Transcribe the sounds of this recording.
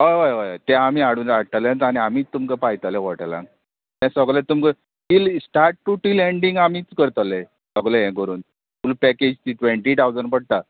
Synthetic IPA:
ɦojʋajʋajt̪ɛ̃am̤iaɽuːnaɽt̪alẽt̪añiamiːt̪ːumkəpajt̪alẽʋɔʈlã̰ŋɡ | t̪ɛ̃səɡlẽt̪umkə | fiːlsʈaɾʈːuʈileɳɖĩŋɡamiːt͡skəɾt̪əle | səɡleɦɛ̃kəɾuːn | tulupɛked͡ʑt̪iʈʋẽɳʈiʈ̪awd͡zəɳpəɽ̚t̪a

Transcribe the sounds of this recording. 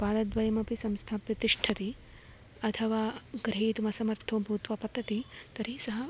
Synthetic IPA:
paːd̪ɐd̪ʋɐjɐmɐpisɐmst̪ʰaːpɾɐt̪iʂʈʰɐt̪i | ɐt̪ʰɐʋaːɡɾɦeːt̪umɐsɐmɐɾt̪ʰoːbʱuːt̪ʋɐpɐt̪ːɐt̪it̪ɐɾisɐɦɐ

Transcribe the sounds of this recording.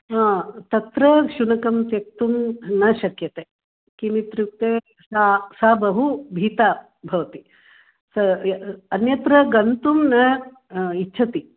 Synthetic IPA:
ɦãːt̪ɐt̪ɾɐʃunɐkɐmt̪jɐk̚t̪umnɐʃɐkjɐt̪eː | kinit̪ɾjuk̚t̪e | sasaːbɐɦubʱiːt̪aː | bʱɐʋɐt̪i | sɐɐnjɐt̪ɾɐɡɐnt̪umnɐ | itːʃʰɐt̪i

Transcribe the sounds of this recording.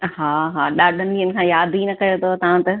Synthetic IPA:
ɦaːɦaːɗaːɖʱə̃nd̪iənɪ̆kʰãːjaːd̪ʱinɐkɐjot̪ʰot̪ɐʋãt̪ɐ

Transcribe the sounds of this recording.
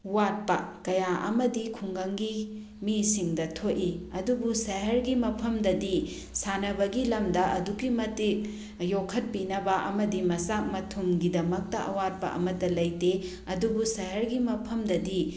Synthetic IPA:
wat̚pɐkɐjaʔɐ̰mɐdikʰuŋɡɐŋɡi | misiŋdɐtʰoʔiɐdubusɐɦɐɾɡimɐpʰɐmdɐdi | sanɐbɐɡilɐmdɐʔɐdukimɐtik̚ | jokʰɐt̚pinɐbɐʔɐ̰mɐdimɐsak̚mɐtʰumɡidɐmɐk̚tɐʔɐwat̚pɐ̰ʔɐ̰mɐtːɐlɐjte | ɐdubusɐɦɐɾɡimɐpʰɐmdɐdi

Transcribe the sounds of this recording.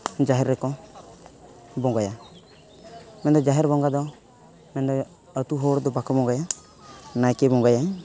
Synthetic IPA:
d͡ʒaɦɛɾːɛkɔ | bɔŋɡaja | mɛnd̪ɔd͡ʒaɦɛɾbɔŋɡad̪ɔ | mɛnd̪ɔ | ət̪uɦɔɾd̪ɔbakɔbɔŋɡaja | najkɛbɔŋɡajaj

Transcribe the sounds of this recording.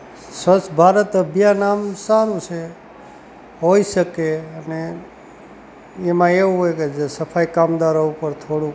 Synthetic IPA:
sət͡ʃbʱaɾət̪əbʱjanamsaɾũt͡ʃʰe | ɦoiʃəkeəne | mãeuɦojked͡ʒsəpʰajkamd̪aɾoupəɾt̪ʰoɽũ

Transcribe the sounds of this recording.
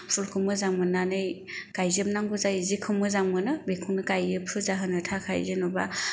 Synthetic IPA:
sulkʰɯmɯzaŋmɯnanɯj | kajzɯp̚naŋbɯzajzikʰɯmɯzaŋmɯnɯbekʰuŋnɯkajɯpʰɾuzaɦɯnɯtʰakʰa̰jzɯnɔba̰

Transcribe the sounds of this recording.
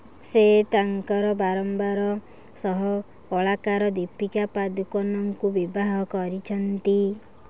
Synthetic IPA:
set̪aŋkɔɾɔbaɾɔmbaɾɔ | sɔɦɔ | kɔɭakaɾɔd̪ipikapad̪ukɔnɔŋkubibaɦɔkɔɾit͡ʃʰɔnt̪i

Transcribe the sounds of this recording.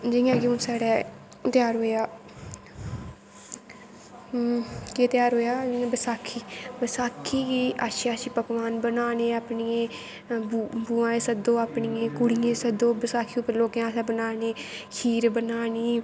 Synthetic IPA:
d͡ʒɪ̃ãːɡɪõːsaːɽɛː | t̪ɪjaːɾɦoːjaː | ket̪ɪjaːɾɦoːjaːd͡ʒɪãːbəsaːkʰiːbəsaːkʰiːɡiːaːʃaːʃiːpəɡʋaːnbənaːneːaːpniːẽː | bbuːãːẽːsəd̪oːaːpɳiẽːkʊɽijẽːsəd̪õːbəsaːkʰipəloːkãːsɛːbənaːneː | kʰiːɾbənaːniː

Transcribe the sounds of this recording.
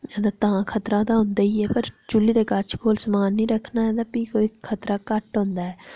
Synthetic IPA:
ɛːd̪aːt̪əãːkʰət̪ɾãːd̪aːɦʊ̃nd̪aːiːɛːpəɾt͡ʃʊliːd̪eːkat͡ʃʰkoːlsəmaːnːĩːɾəkʰːnaːɛːd̪aːpiːkoːiːkʰət̪ɾaːkəʈɦõːnd̪aːɛː

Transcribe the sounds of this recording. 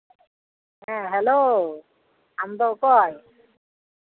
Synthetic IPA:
ɦɛ̃ɦɛlo | amd̪ɔʔkɔj

